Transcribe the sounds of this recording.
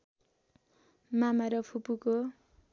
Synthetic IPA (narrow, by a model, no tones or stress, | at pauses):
mamaɾʌpʰupuko